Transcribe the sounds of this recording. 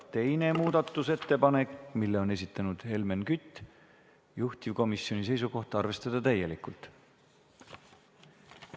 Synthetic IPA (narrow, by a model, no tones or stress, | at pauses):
t̪e̞jne̞muːd̪̥ɑt̪ːˑuse̞t̪ːe̞pɑne̞kmilːe̞o̞ne̞s̬it̪ˑːɑnud̪̥he̞lmenkyt̪ːˑ | juht̪ivko̞misːjo̞nis̬e̞js̬uko̞ht̪ɑɑrve̞st̪ɑd̪̥ɑt̪æje̞likˑult̪